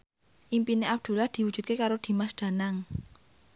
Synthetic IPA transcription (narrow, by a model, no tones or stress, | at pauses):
ʔimpineʔab̚d̪̥ṳlahd̪̥i̤wud̥ʒ̥ṳt̪̚kekaɾod̪̥i̤masd̪̥ä̤naŋ